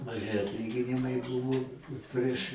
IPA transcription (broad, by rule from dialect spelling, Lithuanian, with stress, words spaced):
mɐˈʒʲɪ ɐtʲˈlʲiːɡʲɪnʲɪmɐɪ ˈbʊʋoː ˈpʲrʲiɛʃ